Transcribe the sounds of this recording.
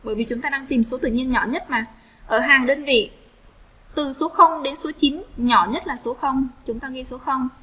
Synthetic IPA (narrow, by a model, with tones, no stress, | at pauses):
ɓəː˧˩jvi˨˩t͡ɕʊ˨˦ŋ͡mt̪aː˧ɗaː˧ŋt̪i˨˩mso˨˦t̪ɨ̰˧˨ɲi˧ənɲɔ˧˩ɲə˦˥t̚maː˨˩ | ʔəː˧˩ɦaː˨˩ŋɗəː˧nvḭ˧˨ | t̪ɨ˨˩so˨˦xə˧wŋ͡mɗe˨˦nso˨˦t͡ɕi˨˦nɲɔ˧˩ɲə˦˥t̚laː˨˩so˨˦xə˧wŋ͡mt͡ɕʊ˨˦ŋ͡mt̪aː˧ɣi˧so˨˦xə˧wŋ͡m